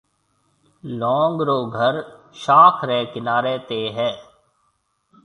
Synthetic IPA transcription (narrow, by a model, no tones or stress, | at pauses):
lɔ̃ːŋɡɾoːɡʱəɾ | ʃaːkʰɾɛːkɪnaːɾeːt̪eɦɛ̃ː